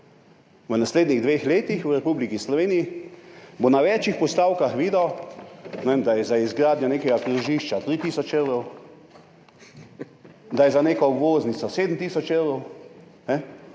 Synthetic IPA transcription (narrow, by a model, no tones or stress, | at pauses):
ʋənasleːd̪niɣd̪ʋexleːt̪ixwɾɛpublikislɔʋeːniji | bonaʋɛt͡ʃixpɔst̪aːwkaxʋiːd̪a | nɛʋeːmd̪ajɛzaizɡɾaːd̪ɲjɔnekɛɡakɾuʒiːʃt͡ʃat̪ɾit̪iːsɔt͡ʃewɾɔw | d̪ajɛzaneːkɔobʋoːznit̪sɔseːd̪m̩t̪isɔt͡ʃewɾɔwnɛ